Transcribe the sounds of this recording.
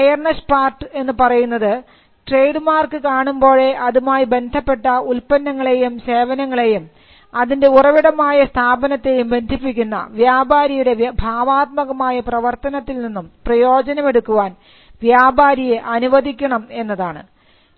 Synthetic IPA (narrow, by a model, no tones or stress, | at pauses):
ejɐrnɐʂpaːrʈɨe̞nːɨpɐrɐjunːɐðɨ | ʈre̞jɖmaːrkɨkaːɳumbo̞ːɻe̞ʔɐðumaːjibe̞nd̪ʱɐpːe̞ʈːɐulpɐnːɐŋːɐɭe̞jumse̞ːʋɐnɐŋːɐɭe̞jum | ɐðinde̞urɐʋiɽɐmaːjɐst̪ʰaːbɐnɐt̪ːe̞jumbe̞nd̪ʱipːikʲːunːɐ̰ʋjaːbʱaːɾɐjuɽe̞bʱaːʋaːt̪̚mɐɣɐmaːjɐprɐʋɐrt̪ɐnɐt̪ːilninːumprɐjo̞ːd͡ʑɐnɐme̞ɽukːuʋaːn | ʋjaːbaːɾijeʔɐnuʋɐd̪ʱikʲːɐɳɐme̞nːɐðaːɳɨ̰